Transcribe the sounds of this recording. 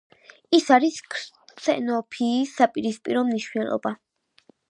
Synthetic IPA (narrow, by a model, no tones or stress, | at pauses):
isaɾiskʰɾt̪sʰʼɛ̰nɔpʰiːsapʼiɾispʼiɾɔmniʃwnɛlˠɔ̰ba